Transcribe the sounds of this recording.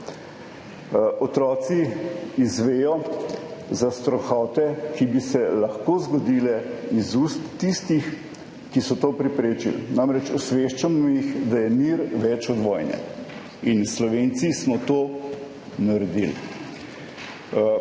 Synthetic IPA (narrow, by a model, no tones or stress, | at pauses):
ɔt̪ɾɔːt̪siizʋeːjɔ | zast̪ɾɔxɔːt̪ɛkibisɛlɐxkoːzɡɔd̪iːlɛizust̪ːist̪ix | kisɔt̪oːpɾɛpɾeːt͡ʃḭlnamɾɛt͡ʃɔsʋeʃt͡ʃamɔjixd̪ajɛmiɾʋɛt͡ʃɔd̪ʋɔːjnɛ̰ | inslɔʋeːnt̪sismɔt̪oː | naɾɛd̪il